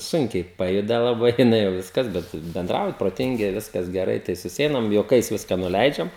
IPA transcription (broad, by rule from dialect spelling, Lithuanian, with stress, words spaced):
ˈsʊŋʲkʲɛɪ ˈpɑːjʊdɐ lˠɐˈbɐɪ jɪˈnɐɪ jɛʊ ˈʋʲɪskɐs bʲɛt bʲɛnˈdrɐʊjɛ proːˈtʲɪŋʲɡʲɪ ˈʋʲɪskɐs ɡʲɛˈrɐɪ tɐɪ sʊˈsʲɛɪnɐm juɔˈkɐɪs ˈʋʲɪskɐ nʊˈlʲɛɪd͡ʒʲɛm